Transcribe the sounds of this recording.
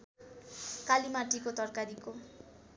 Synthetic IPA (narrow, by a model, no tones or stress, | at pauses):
kalimaʈikot̪ʌrkaɾiko